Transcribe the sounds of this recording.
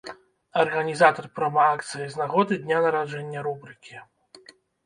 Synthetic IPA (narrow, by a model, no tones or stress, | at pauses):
ɐrɣɐnʲizat̪ɐrpɾɐmaakt̪sɨjiznaɣɔd̪ɨd̪ʲnʲanɐɾaʐɛnʲːɐɾubɾɨkʲi